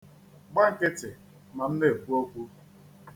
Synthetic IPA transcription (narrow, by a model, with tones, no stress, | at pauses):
ɡ͡ba˦ŋ̩˨ke˦te˨ | ma˨n̩˦ne˦e˨kʷu˦o˦kʷu˦